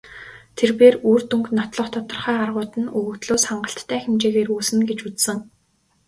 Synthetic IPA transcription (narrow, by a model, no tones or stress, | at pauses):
t̪ʰerpeːruːrt̪uŋknɔt̪ɮɞ̆χt̪ʰɔt̪ɞ̆rχæːarʁʊːt̪ɘ̆nuɣɵ̆kt̪ɮoːsχaɴɢə̆ɬt̪ʰːæːxemt͡ɕeːɣeːruːsɘ̆nɡet͡ɕut͡ssɘ̆ŋ